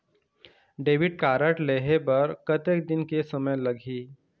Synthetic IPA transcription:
ɖeːʋɪɖ̚kaːɾəʈleːɦepɐɾkɐt̪ek̚d̪ɪnkesɐməjlɐɡʱiː

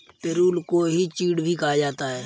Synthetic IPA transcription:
peːɾuːlkoɦit͡ʃiːɽbʱikaad͡ʒaːt̪aɦɛː

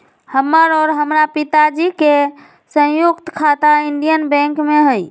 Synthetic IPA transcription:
həmːəɾɔɾɦəmɾapit̪ad͡ʒike | sə̃jukt̪kʰat̪aiɳɖijənbɛ̃ŋkmeɦəj

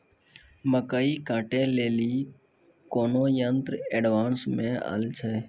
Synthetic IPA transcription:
məkəiːkãːʈẽːleːliː | koːnõːjənt̪ɾəeːɖʋaːnsmẽːə̰ːlt͡ʃʰɛː

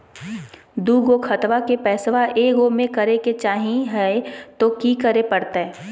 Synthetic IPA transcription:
d̪uːɡokʰɐt̪ʋakepɛːsʋaʔeːɡomẽkɐɾeket͡ʃaːɦĩɦɛt̪okikəɾepɐɽt̪aɦɛː

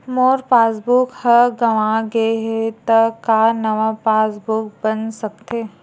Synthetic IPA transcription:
moːɾpaːsbukhəɡɐʋãɡeɦet̪ɐkanɐʋapaːsbʊk̚bənsɐk̚t̪eː

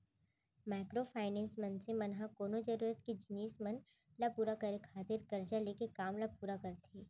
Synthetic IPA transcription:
maːkɾofʰaːɪnɛ̃ːnsmɐnsẽmɐnɦakoːnod͡ʒɐɾuːɾət̪kid͡ʒɪniːsmɐn | lapuːɾakɐɾekʰaːt̪ɪɾkɐɾd͡ʒaleːkekaːmlapuːɾakɐɾt̪ʰeː

